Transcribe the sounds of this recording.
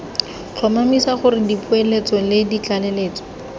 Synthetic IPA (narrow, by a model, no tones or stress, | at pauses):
t͡ɬʰɔmamisaχʊrɪdipʊelet͡sɔlɪdit͡ɬaleleːt͡sɔ̥